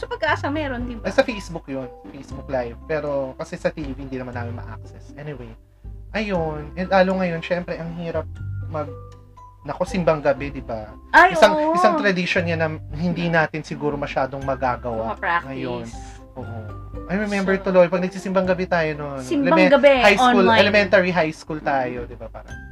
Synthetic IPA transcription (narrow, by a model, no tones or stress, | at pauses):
sɐpɐɡkːɐʔɐsamɛːɾond̪ɪnbsɐfejsbukjonsɐfejsbuk̚lajvpɛːɾo̞kɐsɛsɐt̪iːvihɪnd̪inɐmanːaːmɪnmɐ̰ʔa̰k̚sɛsʔɛnɪwej | ʔɐjonʔɛnd̪laːloŋɐjo̞nʃɛmpɾɛʔɐŋhiːɾɐp̚mɐɡ̚ | nɐko̞sɪmbɐŋɡɐbɛd̪ɪba | aɪsaŋʔɪsaŋt̪ɾɐd̪ɪʃo̞nɲɐnɐhɪnd̪inaːt̪ɪnsɪɡuːɾo̞mɐʃaːd̪o̞ŋmɐɡaːɡɐwaŋɐjon | ʔoːʔo | ʔɐjɹɛmɛmbɛɹt̪ʊlojpɐɡ̚nɐɡ̥̚siːsɪmbɐŋɡɐbɛt̪aːjononlɛmɛɡɐbɛhajkulɛlɛmɛnt̪ɐɹiɦajskult̪aːjo̞d̪ɪbapaːɾɐŋ